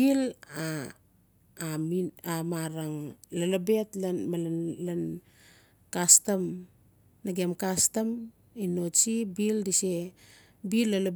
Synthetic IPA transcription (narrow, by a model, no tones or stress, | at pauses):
ila | miamaɾaŋlalabe̞tlmalalan | kastam | naɡemkastam | inot͡ʃibildise | bilːala